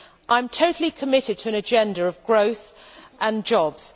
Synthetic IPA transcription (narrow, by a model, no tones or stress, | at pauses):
ʔãɪ̃mtʰəʊtʰˡəl̩ˠikʰəmɪtɪd̚tʰəə̃nəd͡ʒɛ̃ndəɹəvɡɹəʊθʔə̃nd͡ʒɒbz̥